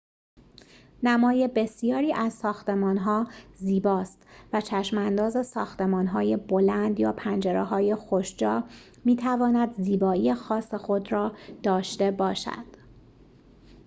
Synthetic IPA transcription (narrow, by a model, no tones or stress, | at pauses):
næmɒːje̞be̞sijɒːɾiːʔæzsɒːxt̪e̞mɒːnɦɒːziːbɒːst̪væt͡ʃʰæʃmænd̪ɒːze̞sɒːxt̪e̞mɒːnɦɒːje̞bo̞lænd̪jɒːpʰænd͡ʒeɾeɦɒːje̞xoʃd͡ʒɒː | miːt̪ʰævɒːnæd̪ziːbɒːijexɒːsexod̪rɒːd̪̥ɒːʃt̪e̞bɒːʃæ̰d̪̥